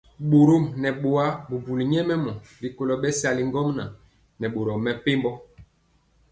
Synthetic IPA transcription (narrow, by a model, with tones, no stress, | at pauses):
ɓo˨ɾo˦˨mnɛ˨ɓo˨wa˦bu˨bu˨li˨ɲɛ˦mɛ˦mɔ˨bi˨ko˨lɔ˨ɓɛ˦sa˨li˨ŋ˦ɡɔ˦ŋna˨ | nɛ˨ɓo˨ɾo˨mɛ˦pe˦mbɔ˦